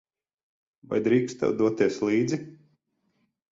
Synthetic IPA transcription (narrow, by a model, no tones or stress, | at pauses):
va̰jd̪ɾiːkst̪ɛ̰wd̪uɔt̪iɛslˠiːd̪zi